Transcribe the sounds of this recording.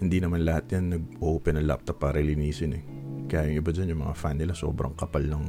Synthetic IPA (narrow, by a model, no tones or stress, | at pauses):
hɪnd̪inɐmanlɐhat̪̚janːɐɡ̚ʔoʔoːpɛnːɐŋlaʔa̰p̚t̪ɐpːaːɾɐlɪniːsɪnɛkɐjaːjʊŋʔɪbad͡ʒanjʊŋmɐ̰ŋa̰fanːɪlaso̞̰ːbɾɐ̰ŋkɐpalnɐŋ